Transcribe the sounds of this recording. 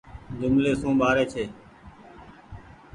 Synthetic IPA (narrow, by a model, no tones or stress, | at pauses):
d͡ʒʊmleːsõːɓaːɾeːt͡ʃʰeː